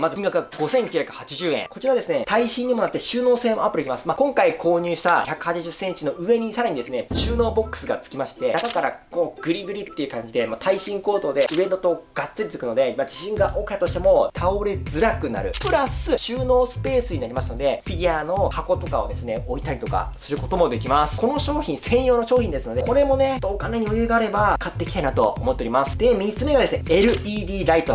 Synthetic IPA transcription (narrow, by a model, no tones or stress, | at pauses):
mazɨiŋɡakɯ̟ɡ̥o̞seŋ̃k̟ʲːçʲjakɯ̟̥hat͡ɕiʑɨːẽ̞̰ko̞t͡ɕiɾaβad̪e̞sɨne̞t̪aiɕĩɲ̟ːimo̞nat̪ːeɕɨːno̞ːseːmo̞apɯ̟ɾikʲimasɨ̥makõ̞ŋkaikʰo̞ːɲ̟ɨːɕi̥t̪açʲakɯ̟hat͡ɕiʑɨsːẽ̞ɲ̟t͡ɕino̞ʔɯ̟e̞ɲ̟isaɾaɲ̟id̪e̞sɨne̞ɕɨːno̞ːbo̞kːɯ̥sɨɡa̰t͡sɨ̥kʲimaɕi̥t̪e̞akakaɾa̰koːɡ̥ɯ̟ɾʲiɡɯ̟ɾʲit̪ːe̞iɯ̟kãɲ̟d͡ʑid̪e̞mat̪ʰaiɕĩŋko̞ːt̪o̞ːd̪e̞ɯ̟e̞nd̪ot̪o̞ɡ̥at͡sɨɾʲit͡sɨkɯ̟no̞d̪e̞mad͡ʑiɕĩŋɡaʔokat̪oɕi̥t̪e̞mo̞t̪ʰaoɾe̞d͡zɨɾakɯ̟na̰ɾɯ̟̰pɯ̟ɾasɨɕɨːno̞ːsɨ̥pe̞ːsɨɲ̟inaɾʲimasɨno̞d̪e̞ɸʲid̪ʲiano̞hako̞t̪o̞kaod̪e̞sɨne̞o̞it̪aɾʲit̪o̞ka̰sɨɾɯ̟ko̞t̪o̞mo̞d̪e̞kʲimasɨ̥ko̞no̞ɕo̞ːçʲĩɰ̃sẽ̞ɰ̃jo̞ːnoɕo̞ːçʲĩnd̪e̞sɨno̞d̪eko̞ɾe̞mo̞ne̞d̪oːkane̞ɲ̟iojɯeɡaːɾe̞bakat̪ːe̞ki̥t̪ainat̪o̞̰o̰mo̞t̪ːeoɾʲimasɨ̥d̪e̞mʲit͡sɨme̞ɡad̪e̞sɨne̞eɾɯ̟id̪ʲiːɾait̪o